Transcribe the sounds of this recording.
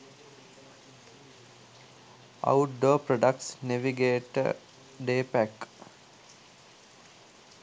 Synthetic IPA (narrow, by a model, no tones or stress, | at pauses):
a̰uʈ̚ɖoːpɾoɖakʈsneʋiɡeːʈə̰ | ɖeːpæk